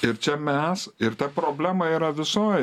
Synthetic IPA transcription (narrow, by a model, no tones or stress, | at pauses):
ɪɾt͡ʃʲɛmʲɛsɪɾt̪ɐpɾoːbʲlʲæːmɐiːɾɐʋʲɪsoːj